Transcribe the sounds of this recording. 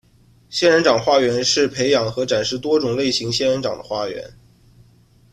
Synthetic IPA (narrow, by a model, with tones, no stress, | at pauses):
ɕjɛ˥nɻə˧˥nʈ͡ʂɑ˨˩ŋxwa˥˩ɥɛ˧˥nʂɻ̩˥˩pʰe˧˥ɪjɑ˧˥ŋxɤ˧˥ʈ͡ʂa˨˩nʂɻ̩˥˩t̪wɔ˥ʈ͡ʂʊ˨˩ŋle˥˩ɪɕi˧˥ŋɕjɛ˥˧nɻə˧˥nʈ͡ʂɑ̰˨˩ŋd̪ə̰˦xwa˥ɥɛ̰˧˥n